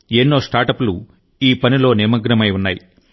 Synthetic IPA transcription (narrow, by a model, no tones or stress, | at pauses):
eːnːo̞ːsʈaːɾʈɐpulu | iːpɐnilo̞ːnimɐɡɾɐmɐjunːaːji